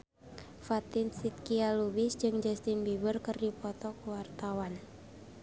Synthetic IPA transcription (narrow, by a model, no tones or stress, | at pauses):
fat̪ɪnsit̪̚kialubɪsd͡ʒɨŋd͡ʒɛst̪ɪnbibərkɨrdipɔt̪ɔkəwart̪awan